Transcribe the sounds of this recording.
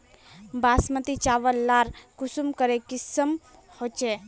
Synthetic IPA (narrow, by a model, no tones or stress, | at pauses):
basmət̪it͡ʃaʋəlːaɾkusumkəɾekisəm | hot͡ʃe